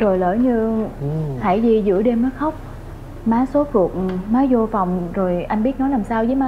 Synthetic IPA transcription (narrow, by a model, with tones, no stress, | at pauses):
zo˨˩jlə̰ː˧˩jɲɨ˧ | ha̰˧˩jzi˧˩zɨ̰˧˥əɗe˧mːəː˨˦jxə˦˥wk͡p̚ | maː˨˦so˨˦tu˨˩ək̚maː˨˦jzo˧fa˨˩wŋ͡mzo˨˩jʔa˧jnɓi˦˥t̚nɔ˨˦laː˨˩msaː˧wzəː˨˦maː˨˦